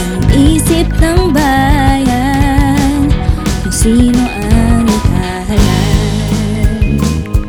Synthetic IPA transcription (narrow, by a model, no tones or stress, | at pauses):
ɐŋʔiːsɪp̚nɐŋbaːja | nkʊŋsiːnoʔanɪka | ɦɐla